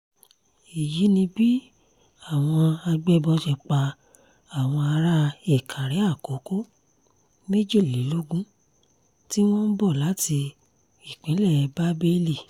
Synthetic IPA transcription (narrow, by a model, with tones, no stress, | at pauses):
i˨ji˨˦nĩ˧bi˦ | a˦˨w̃ɔ̃˧a˧ɡ͡bɛ˦˧bɔ˧ʃɛ˧k͡pa˧ | a˨w̃ɔ̃˧a˧ɾa˦e˦˨kʰã˨ɾɛ˨˦a˦˨ko˨˦ko˦ | me˦d͡ʒe˦˨li˨˦lo˦ɡũ˦ | ti˦w̃ɔ̃˦n̩˦bɔ˦˨la˨˦ti˧ | i˦˨k͡pĩ˨˦lɛ˦˨˧ba˦be˦li˦˨